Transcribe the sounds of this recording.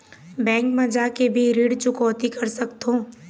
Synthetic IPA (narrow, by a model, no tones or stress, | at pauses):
bɛ̃ːŋkmɐd͡ʒakebʱiɾiːɽt͡ʃʊkɔːt̪ikɐɾsɐkt̪õː